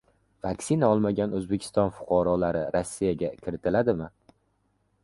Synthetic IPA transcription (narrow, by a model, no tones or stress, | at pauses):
vakʲsɪnaɒlˠmaɡʲanɵzbekʲʰɪ̥st̪ɒnfʊ̥qʰɑɾɒlaɾɪɾasːijaɡʲakʲʰɪɾɪt̪ʰɪlad̪ɪmɪ